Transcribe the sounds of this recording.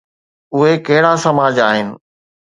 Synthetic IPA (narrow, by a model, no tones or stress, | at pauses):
ʊɦekɐɦɪɽasɐmaːd͡ʑaːɦɪnɪ̆